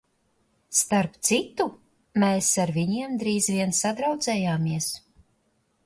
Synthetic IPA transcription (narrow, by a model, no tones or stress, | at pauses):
st̪aɾpt̪sit̪u | meːsaɾviɲiɛmd̪ɾiːzviɛnsad̪ɾawd̪zɛːjaːmiɛs